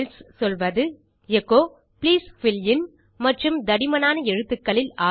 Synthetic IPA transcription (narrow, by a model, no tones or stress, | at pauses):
lssɔlʋɐðɯ | jɛkːoː | pliːsfɪljɪn | mɐʈrɯmd̪ɐɽɪmɐnaːnɐɛɻɯt̪ːɯkːɐɭɪlaː